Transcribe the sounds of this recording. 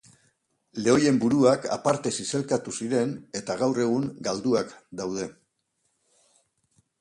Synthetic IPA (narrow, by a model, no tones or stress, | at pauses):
le̞o̞je̞mbuɾuaka̰paɾt̪e̞sise̞lkat̪usiɾe̞ne̞t̪aɣawre̞ɣ̞uŋɡald̪uakd̪awð̞e̞